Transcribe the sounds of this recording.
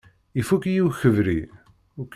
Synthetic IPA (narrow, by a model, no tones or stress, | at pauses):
ifukjiwçəvɾi | uk